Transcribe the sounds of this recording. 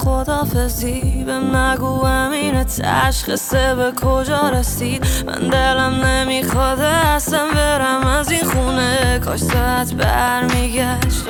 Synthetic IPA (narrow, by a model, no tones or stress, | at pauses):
xod̪ɒːfezibæmnæɡuːæmiːnet̪ʰæ̰ʃχisebekʰod͡ʒɒːɾesiːd̪mʔæ̰nd̪elæmnemiːxɒːd̪est̪æmbeɾæmæzinχuːneɡɒːʃsææt̪ʰbæ̰ɾmiːɡæʃt̪